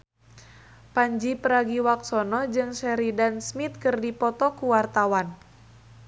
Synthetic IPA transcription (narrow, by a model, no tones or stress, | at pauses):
paɲd͡ʒipəɾaɡiwaksɔnɔd͡ʒɨŋsɛɾidansmit̪̚kɨrdipɔt̪ɔkuwart̪awan